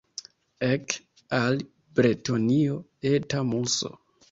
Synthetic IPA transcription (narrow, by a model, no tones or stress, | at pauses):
ek | al | bɾetonio | etamuso̰